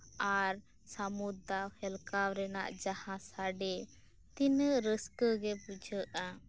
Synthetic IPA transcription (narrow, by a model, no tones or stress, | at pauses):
aɾ | samud̪awhɛlkawɾɛna̰ʔd͡ʒahãsaɖɛ | t̪inəɾəskəɡɛpud͡ʒʱəʔa